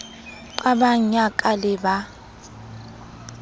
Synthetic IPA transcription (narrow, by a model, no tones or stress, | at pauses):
ǃʼaɓaɲakʼalɪba